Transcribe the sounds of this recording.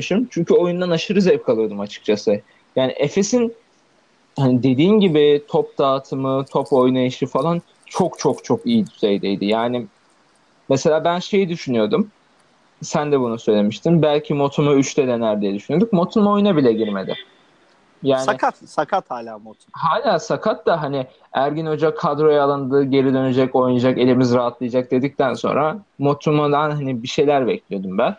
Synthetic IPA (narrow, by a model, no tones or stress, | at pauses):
ʃimt͡ʃʰyɲcʰyo̞jund̪anaʃɯɾɯzɛpkʰalˠɯɾd̪ɯmat͡ʃʰɯ̥k̚t͡ʃʰasɯ | jaːnḭʔefe̞sin | hanid̪e̞d̪iːnɟibɪt̪ʰop̚d̪aːt̪ʰɯmɯt̪ʰo̞po̞jnaiʃɯfalˠan | t͡ʃʰo̞kt͡ʃʰo̞kt͡ʃʰo̞kijid̪yz̥ejd̪ejd̪ɪjaːnɪ | mese̞lʲaːbænʃe̞jid̪yʃynyjo̞d̪um | sænd̪ɛbunusø̞jlʲe̞miʃt̪ʰimbælʲcʰimo̞t̪ʰumuyt͡ʃt̪ʰɛd̪ɛnæɾd̪ijɛd̪yʃynyjod̪u̥k̚mo̞t̪ʰumo̞junabilʲɛɟiɾme̞d̪ɪ̰ | jaːnaɪkʰat̪sakʰat̪haːlʲaːmot̪ʰuhaːlʲaːsakʰat̪ːaɦanɪ | æɾɟino̞d͡ʒakʰad̪ɾo̞jaalˠɯnd̪ɯːɟe̞ɾid̪ø̞ned͡ʒɛco̞jnad͡ʒake̞lʲimizɾaɦat̪lˠɯjad͡ʒak̚d̪e̞d̪ic̚t̪ʰænso̞̰nɾamo̞t̪ʰumud̪anɦanibiʃe̞jlʲæɾbɛclʲijo̞d̪umbæn